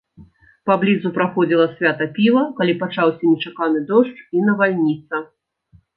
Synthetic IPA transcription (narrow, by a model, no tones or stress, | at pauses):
pablʲidzupɾaxɔd͡zʲilˠɐsʲvʲat̪ɐpʲivɐkalʲipat͡ʂawsʲɐnʲɛt͡ʂakanɨd̪ɔʂt͡ʂinɐvalʲnʲit̪sɐ